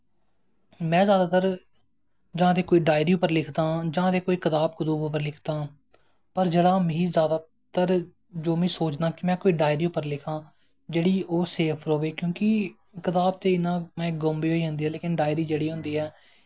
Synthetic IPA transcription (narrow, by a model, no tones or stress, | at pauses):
mɛ̃ːzjaːd̪aːt̪əɾ | d͡ʒãːt̪eːkoːiːɖaːɪɾiːuːpəɾlɪkʰd̪ãːd͡ʒãːt̪eːkoːiːkət̪aːb̚kʊd̪uːbpəɾlɪkʰd̪aː | pəɾd͡ʒeːɽaːmĩːzjaːd̪aː | t̪əɾ | d͡ʒoːmĩːsoːt͡ʃd̪ãːkɪmɛ̃ːkoːiːɖaːɪɾiːupəɾlɪkʰãː | d͡ʒeːɽiːoːseːpʰɾoːʋeːkjõːkɪ | kɪt̪aːb̚t̪eːɪnãːmɛ̃ːɡoːmbiːɦoːiːɦʊ̃nd̪iːɛːleːkɪnɖaːɪɾiːd͡ʒeːɽiːɦʊ̃nd̪iːɛː